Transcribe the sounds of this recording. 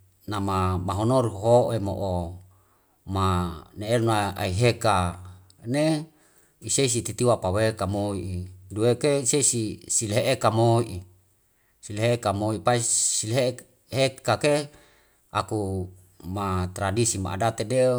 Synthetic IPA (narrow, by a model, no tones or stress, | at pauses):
namamaɦonoɾɦoʔemo̰ʔo | maneelnaa̰iɦeka | ne | iseis̬it̪it̪iwapawekamoiʔiduekeiseisisileɦeʔekamoiʔi | sileɦeekamoipaisileɦe | ɦekake | a̰ku | mat̪ɾadisima̰ʔa̰dat̪ede